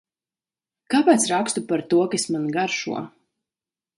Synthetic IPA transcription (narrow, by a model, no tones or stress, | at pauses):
kaːpaːt̪sɾakst̪upaɾt̪uɔkasmanɡaɾʃṵɔ